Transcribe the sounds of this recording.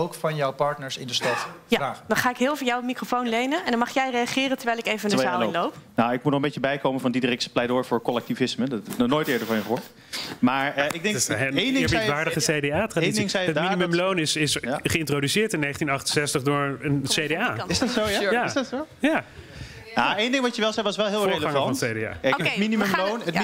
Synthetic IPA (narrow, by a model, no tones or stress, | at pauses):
owkfɑnjɔwpɑɹtnəɹsɪndəstɑtjaadɔnχaːɪkɦɪːlˠvəːjɔwmikrofownlejnənɛndɔnmɑχjɛjrejaχɪːrəntəɹʋɛjlɪkejvədəzaːɪnlowpnaɪk̚mutnɔχmbejcəbɛjkowməvɑndidrɪksə̥plɛjdʊːɹvʊːɹkɔlɛk̚tivɪsmədtɛnɔχnojtɪːɹdəɹvɑ̃njəχəʋɔɹt | maːɹəɪɡ̚dɪŋsejndɪpʋaːɹdəχəsejdeaːtradinsɪŋsɛjətminiməmlownɪsɪsχəɪntrodysɪːɹtɪnːejχəntinɑχtənsɛstəχdʊːɹənsejdeaːɪsdtsojastso | ja | aejndɪŋʋɑtəʋɛlˠzɛjʋɑsʋɛlˠɦɪːlˠːɹejləɑŋɑnɔntsejdea̰ːɛəminiməmlownət